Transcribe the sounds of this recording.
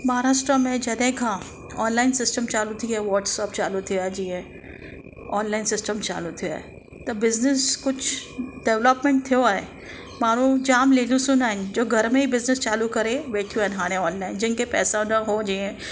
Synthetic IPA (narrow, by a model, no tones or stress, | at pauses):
mɐɦaɾaːʃʈɾamẽd͡ʒɐd̪ẽkʰã | ɔːnlaːɪnsɪsʈəmt͡ʃaːlut̪ʰiɦɛʋɔːɾʈsɔːpt͡ʃaːlut̪ʰijad͡ʒiɛ̃ | ɔːnlaːɪnsɪsʈəmt͡ʃa̰ːlut̪ʰija̰e | t̪ɐbɪznɪskʊt͡ʃʰɖɛʋləpmẽɳʈ̚t̪ʰijoaːe | maːɾũd͡ʒaːmleːlusʊnaːɪnd͡ʒoːɡʱɐɾmẽɦibɪznɪst͡ʃaːlukɐɾẽbeːʈʰijuɛːnɦaːɾẽɔːnlaːɪnd͡ʒɪnkepɛːsanɐɦod͡ʒiːẽː